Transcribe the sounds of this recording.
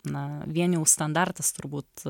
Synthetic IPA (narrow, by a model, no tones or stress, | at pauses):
nɐʋʲiɛnʲjɛʊst̪ɐnd̪ɑɾt̪ɐst̪ʊɾbuːt̪